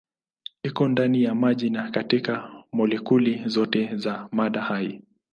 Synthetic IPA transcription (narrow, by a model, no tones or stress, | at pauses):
ikɔndanijamaʄinakatikamɔlɛkulizɔtɛzamaɗahaḭ